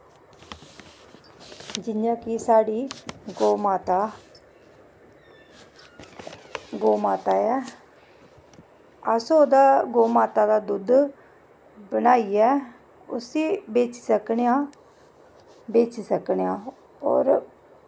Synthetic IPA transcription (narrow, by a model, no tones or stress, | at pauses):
d͡ʒɪnjãːkɪsaːɽiːɡoːmaːt̪a | ɡoːmaːt̪aːɛː | əsood̪aːɡoːmaːt̪aːd̪aːd̪ʊd̪ | bənaːiːɛː | ʊ̰siːbeːt͡ʃi̥ːsəkɳejãː | beːt͡ʃiːsəkɳjãː | ɔ̰ːɾ